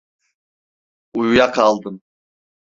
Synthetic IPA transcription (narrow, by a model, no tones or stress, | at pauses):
ujujaqʰɑlˠd̪ɯm